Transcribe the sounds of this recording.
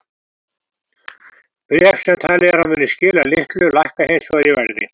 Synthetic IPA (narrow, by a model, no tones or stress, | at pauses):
pɾɛfsɛmt̪ʰaːlɪɣaɾ̥havʏːnɪscɪːlalɪht̪lʏlajhkaheːjsɔaɾivɛɾðɪ̰